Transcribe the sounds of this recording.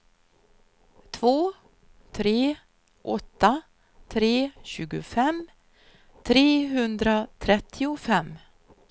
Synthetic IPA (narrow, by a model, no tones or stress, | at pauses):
t̪ʰvoː | t̪ʰɾeː | ʔɔt̪ːa | t̪ʰɾeːɕʉ̟ːɡʊ̰fɛm | t̪ʰɾeːɦɵnd̪ɾat̪ʰɾɛt̪ʰːɪʊfɛmː